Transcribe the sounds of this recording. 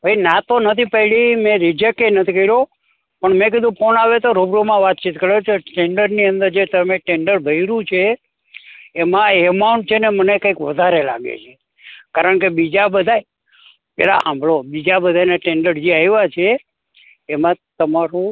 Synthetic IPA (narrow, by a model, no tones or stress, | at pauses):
bʱəinat̪onət̪ʰipəɦilimẽɾɪd͡ʒekenət̪ʰikəiɾo | pəɳmẽk̬id̪ũkonaʋet̪oɾobɾomãʋat̪̚t͡ʃit̪kəɾet͡ʃeʈeɳɖəɾniənd̪əɾd͡ʒet̪əmeʈeɳɖəɾbʱəiɾũt͡ʃʰe | mãemawɳʈ̚t͡ʃʰenemənekə̃ikʋəd̪ʱaɾela̰ɡḛt͡ʃʰe | kaɾəɳkebid͡ʒabəd̪ʱaj | pɛ̰la̰ʔã̰mbʱɭobid͡ʒabəd̪ʱajnaʈẽɳɖəɾd͡ʒiajʋat͡ʃʰeː | mãt̪əmaɾũ